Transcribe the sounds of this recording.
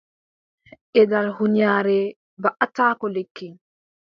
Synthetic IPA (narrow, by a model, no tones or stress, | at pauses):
ʔɛdalhuɲjaːɾɛ | baʔataːkɔlekːiŋ